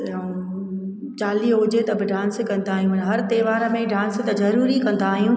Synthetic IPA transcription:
t͡ɕaːliɦʊd͡ʑet̪ɐbɪɖãːnskɐ̃nd̪aːɦijũmɐnɦɐɾt̪eːʋaːɾəmẽɖãːnsɪt̪ɐzɐɾuːɾikɐ̃n̆d̪aːɦijũ

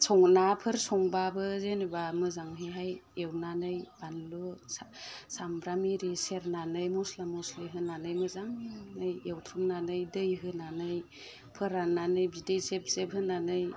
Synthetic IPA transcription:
sʰɔŋnapʰɯɾsɔŋbabɯzenibamɯzaŋɦeɦajewnanɯjb̥anlossambɾameɾiseɾnanɯjmɔslamɔsliɦɯnanɯjmɯzaŋnɯjewtʰɾumnanɯjdɯjɦɯnanɯj | pʰɯɾananɯjbidejzep̚zebɦɯnanɯj

